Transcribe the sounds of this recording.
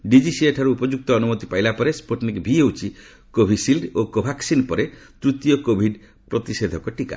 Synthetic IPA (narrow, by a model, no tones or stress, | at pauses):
ɖid͡ʒisieʈʰaɾuupɔd͡ʒuk̚t̪ɔːnumɔt̪ipajlapɔɾespoʈnikbʱiewt͡ʃʰi | kobʱisilɖokobʱaksinpɔɾet̪ɾut̪jɔkobʱiɖ | pɾɔt̪ised̪ʱɔkɔʈika̰